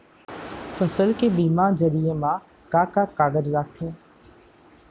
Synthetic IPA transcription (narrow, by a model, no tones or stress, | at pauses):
fəsəlkeːbiːmãːzəɾijəmãː | kaːkaːkaːɡəɾzaːt̪ʰeː